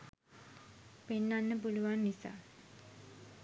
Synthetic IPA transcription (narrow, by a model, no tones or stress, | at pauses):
penːanːəp̬uluʋanːisa̰ː